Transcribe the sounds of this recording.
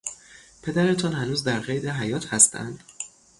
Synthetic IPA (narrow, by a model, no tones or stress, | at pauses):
pʰe̞d̪æɾe̞t̪ʰɒːnhænuːzd̪æɾɢejd̪eɦæjɒːt̪ʰhæst̪ʰæ̰nd̪̥